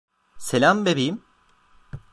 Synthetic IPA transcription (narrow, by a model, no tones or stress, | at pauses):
selʲambebejim